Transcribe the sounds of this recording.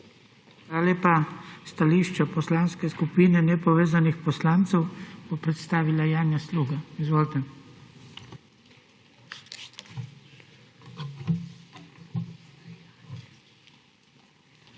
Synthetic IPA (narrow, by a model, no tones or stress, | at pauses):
xalaleːpast̪aliːʃt͡ʃapɔslaːnskɛskupiːnɛnɛpɔʋeːzanixpɔslaːnt̪sɛwb̥opɾɛt̪st̪aːʋilajaːnjasluːɡaizʋoːlt̪ɛ